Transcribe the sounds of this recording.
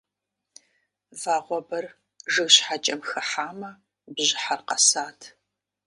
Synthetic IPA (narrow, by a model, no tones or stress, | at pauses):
vaːʁʷɔbɐr | ʒɨɣɕħat͡ʃʼɐmxɐħaːmɐ | bʑɪħarqɐsaːtʰ